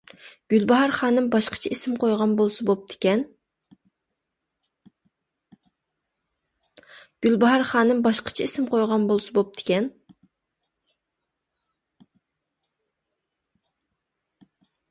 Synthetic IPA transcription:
ɡ̥ʲylbɑɦɑɾχɑːnɨmbɑʃqʰə̥t͡ʃʰiesɪmqʰojʁɑnbolˠsɨbop̚d̪ʰɪ̥kʲɛn | ɡ̥ʲylbɑɑɾχɑːnɨmbɑʃqʰə̥t͡ʃʰiesɪmqʰojʁɑnbolˠsɨbop̚d̪̥ʰɪ̥kʲɛn

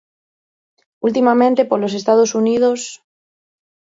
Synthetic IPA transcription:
ult̪imamẽ̞nt̪e̞poɾlo̞s̬e̞st̪að̞o̞sunið̞o̞s

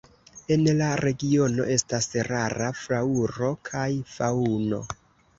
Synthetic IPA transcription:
e̞nlaɾe̞ɡio̞no̞̰ʔe̞stasɾaɾafɾauɾo̞kʰajfauno̞̰

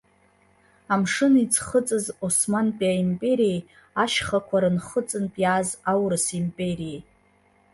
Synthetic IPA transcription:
amʂɨnit͡sʰʼχət͡sʼɨzosmanpʼiaimpʼe̞ɾijej | aʃχakʷʰaɾɨnχət͡sʼɨnpʼjazawrɨsimpʼe̞ɾijej

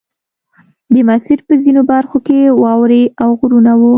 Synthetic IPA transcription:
d̪əmasiɾpəzinobaɾxokewɑwɾeawɣʊɾunawu

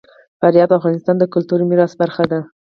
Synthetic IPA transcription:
faɾjɑt̪afɣɑnɪst̪ɑnd̪əkʊlt̪uɾimiɾɑsbaɾxad̪a

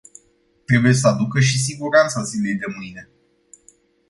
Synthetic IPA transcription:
t̪ɾe̞buje̞s̬əad̪ukəʃ̬is̬iɡuɾant̪sazile̞jd̪e̞mɨjne̞

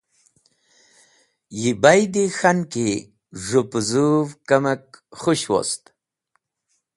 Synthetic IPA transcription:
jibajd̪ixanke | ʐupzuvkamak̚χuɕwo̰st̪

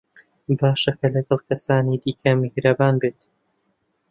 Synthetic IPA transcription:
baːʃɐkɐlɐɡɐlˠkɐsaːniːd̪iːkʰɐmɪhɾɐbaːnbeːt̪

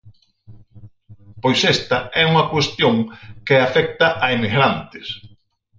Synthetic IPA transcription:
pojsest̪ɐɛuŋɐkwest̪joŋkɪafɛk̚t̪ɐʔaimiɣɾant̪ɪs

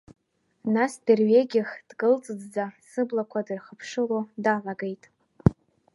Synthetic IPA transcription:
nasderɥeɡʲɪχd̥ɡɨlt͡sʼɨd͡zd͡zasɨblakʷʰadɨrχəpʰʂɨlodalaɡejtʼ

